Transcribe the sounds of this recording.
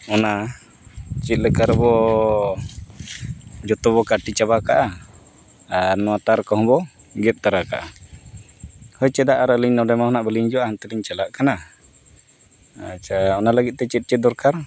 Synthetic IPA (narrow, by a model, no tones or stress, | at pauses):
ɔna | t͡ʃit̪̚lɛkaɾbɔ | d͡ʒɔt̪ɔβɔkaʈit͡ʃaβakaʔa | anɔat̪aɾkɔɦɔbɔ | ɡɛp̪̚t̪aɾaka̰ʔa | hɔjt͡ʃɛd̪aʔaɾəliɲnɔdɛmahɔnaʔbəliɲd͡ʒɔʔahant̪ɛliɲt͡ʃalaʔkana | at͡ʃaɔnalaɡit̪̚t̪ɛt͡ʃit̪̚t͡ʃɛt̪̚d̪ɔɾkaɾ